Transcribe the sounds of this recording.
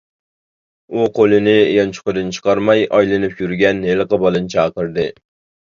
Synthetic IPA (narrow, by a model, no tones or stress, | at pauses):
uqʰolˠɪnɪjɑnt͡ʃʰʊ̥qʊd̪ɨnt͡ʃʰɨ̥qɑɾmɑjɒjlɪnɪpjyɾɡʲɛnhelˠɨqɑbɑlˠɨnt͡ʃʰɑːqəɾd̪ɨ